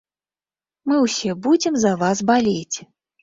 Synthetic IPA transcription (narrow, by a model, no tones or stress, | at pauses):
mɨwsʲɛbud͡zʲɛmzɐvasbalʲet͡sʲ